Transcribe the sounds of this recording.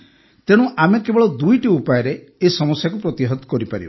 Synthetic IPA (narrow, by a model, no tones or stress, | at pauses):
t̪eɽ̃ũʔamekebɔɭɔd̪ujʈiupajɔɾe | esɔmɔsjakupɾɔt̪jiɦɔt̪kɔɾipaɾibɔ